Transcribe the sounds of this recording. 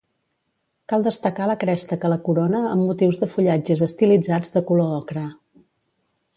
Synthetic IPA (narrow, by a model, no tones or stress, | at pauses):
kalˠd̪əst̪əkaləkɾɛʃt̪əkələkuɾonəəmːut̪iwzðəfuʎad͡ʒəzəst̪ilid͡zad͡zðəkuloɔkɾə